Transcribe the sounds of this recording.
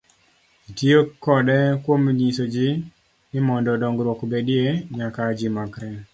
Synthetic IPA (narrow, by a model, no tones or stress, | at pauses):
itiokːɔdɛkwomɲisod͡ʒɪ | ɪmɔndɔdɔŋɡɾwokbedieɲakad͡ʒimakɾɛn